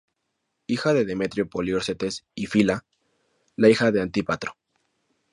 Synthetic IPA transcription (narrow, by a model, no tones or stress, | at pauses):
ixaðe̞ðeme̞t̪ɾjopoljoɾset̪esifila | laixaðe̞ant̪ipat̪ɾo̥